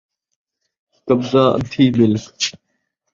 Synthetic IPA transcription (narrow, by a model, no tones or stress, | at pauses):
kəbzaːʔə̰t̪ʰiːbɪlk